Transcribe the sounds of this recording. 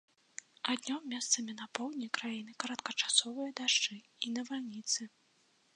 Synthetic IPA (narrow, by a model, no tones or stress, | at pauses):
ad̪ʲnʲɔmmʲːɛst̪sɐmʲinapɔwd̪ʲnʲikɾajinɨkɐɾɐt̪kɐt͡ʂḁsɔvɨjɐd̪aʂt͡ʂɨ | inɐvalʲnʲit̪sɨ